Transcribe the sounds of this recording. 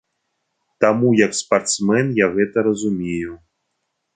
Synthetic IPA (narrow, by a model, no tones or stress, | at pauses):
t̪amujɐkspart̪smɛnjaɣɛt̪ɐɾɐzumʲeju